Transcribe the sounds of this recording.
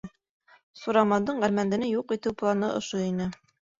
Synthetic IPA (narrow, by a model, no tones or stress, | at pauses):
suɾɑmɑnd̪ɤɴʁæɾmænd̪ɘ̆nɘjuqit̪ɘwplˠɑnɤʔŏ̰ʃoinɘ